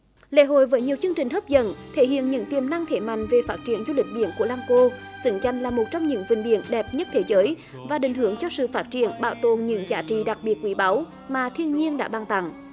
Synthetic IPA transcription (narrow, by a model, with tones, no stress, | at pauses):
lḛ˧˥ɦo̰˧˨jvəː˨˦jɲi˨˩əwt͡ɕɨ˧əŋt͡ɕï˨˩ŋ̟ɦəː˦˥p̚zə̰˧˥nt̪ʰe˧˩hḭ˧˨ənɲɨ̰˧˥ŋt̪i˨˩əmna˧ŋt̪ʰe˧˩ma̰˧˨jŋ̟ve˨˩faː˦˥t̚t͡ɕi˧˩ənt͡ɕɔ˧ɗï˨˩ŋ̟ɗḭ˧˨ənku˧˩əlaː˧mko˧ | z̥ɨ̰˧˥ŋt͡ɕa˧jŋ̟laː˨˩mo˨˩t̚t͡ɕɔ˧wŋ͡mɲɨ̰˧˥ŋvï˨˩ŋ̟ɗḭ˧˨ənɗɛ˨˩p̚ɲə˦˥t̚t̪ʰe˨˦zəː˨˦j | vaː˨˩ɗï˧˩ŋ̟hɦɨ˧˩əŋt͡ɕɔ˧sɨ̰˧˨faː˦˥t̚t͡ɕḭ˧˩ənɓaː˧˩wt̪o˨˩nɲɨ̰˧˥ŋzaː˨˦t͡ɕḭ˧˨ɗa˨˩k̚ɓi˨˩ət̚kwi˨˦ɓa˨˦w | maː˨˩t̪ʰi˧ənɲi˧ənɗa̰ː˧˥ɓaː˧˩ŋt̪a̰˧˩ŋ